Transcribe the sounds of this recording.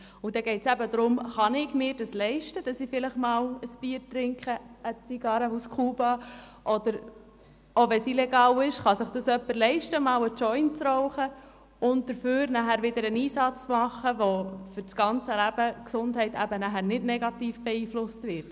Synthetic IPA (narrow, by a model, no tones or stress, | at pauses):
ʊd̥̪ɛɡɛɪtt͡sæbəd̪ɾʊmχɑnɪɡmɪːɾdɑslɛɪʃtəd̥ɑsifɪləχmɑːwəsb̥iːəɾtɾɪŋkχəət͡siɡ̥ɑɾəuskʰuːbɑ | ʔɔd̪əɾ | oʋɛsilɛɡɑːwɪʃχɑsɪχd̥ɑsœpːəɾlɛɪʃtəmɑːwət͡ʃɔʏnt͡sɾɔʊχə | ʊnt̚d̥əɾføːɾnæχæɾʋɪd̪əɾəniːsɑt͡smɑχːəʋofʏɾt͡sɡ̥ɑnt͡səlæb̥əksʊndɦɛɪtæbənæχæɾnɪdnɛɡɑtiːfb̥ɛiːflʊstvʋɪt